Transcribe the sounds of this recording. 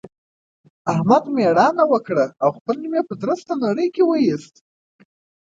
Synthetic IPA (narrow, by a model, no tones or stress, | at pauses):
ahmad̪meɽɑnawəkɽəawxpəlimepəd̪ɾəst̪anaɽəjkewəjist̪̚